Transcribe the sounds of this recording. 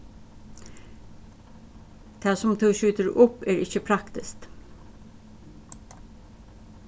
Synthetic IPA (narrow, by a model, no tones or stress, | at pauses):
d̪̥ʰæːsɔmd̪ʉːʃʉːt̪əɹʊpæːɹɪçəpʰɾɑkt̪ɪst̪